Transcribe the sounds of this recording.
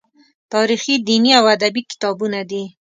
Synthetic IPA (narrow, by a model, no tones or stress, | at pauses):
t̪ɑɾixid̪iniawad̪abikɪ̥t̪ɑbunad̪i